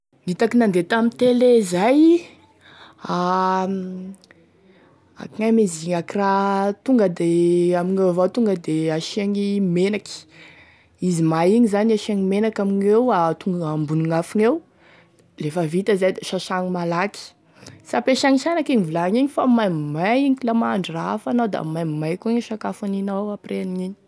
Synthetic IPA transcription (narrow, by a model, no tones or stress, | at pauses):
nit̪akinand̪et̪amint̪elezaj | a | a̰kiŋajmeziŋakirat̪uŋɡəd̪eamiɲevat̪uŋɡəd̪eaʃiaŋimenakʲi̥ | izimajiɲizanaʃiaŋimenakʲamiɲewat̪uŋɡambuniŋafinew | lefəvit̪əzajd̪eʃaʃaŋimalaki̥ | sapeʃaŋiʃanakiɲivulaŋiɲifamajmimajiɲklamaɳɖ͡ʐrafanawd̪a̰majmimajkuiɲiʃakafaninawapreniɲiɲi̥